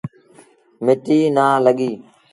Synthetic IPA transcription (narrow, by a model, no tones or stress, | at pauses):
mɪʈiːnaːləɠiː